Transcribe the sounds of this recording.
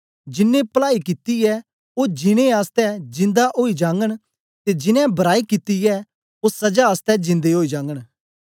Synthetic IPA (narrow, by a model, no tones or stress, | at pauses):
d͡ʒɪnːẽpɐlaːikɪt̪iɛ | oːd͡ʒɪɽ̃ẽaːst̪ɛd͡ʒɪ̃nd̪aʔoːid͡ʒãːŋɡəɽ̃ | t̪ed͡ʒɪnɛ̃bɐɾaːikɪt̪ijɛ | osɐd͡ʒaaːst̪ɛd͡ʒɪ̃nd̪eɦoːid͡ʒãːŋɡəɽ̃